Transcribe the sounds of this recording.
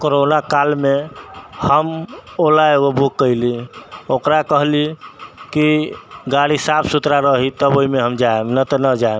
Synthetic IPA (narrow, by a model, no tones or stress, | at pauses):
koɾonakalmehəmolaeɡobʱukːəiliokɾakəɦlikiɡaɽisapʰsut̪ɾaɾəɦit̪əboimeɦəmd͡ʒaemnət̪ɔnəd͡ʒae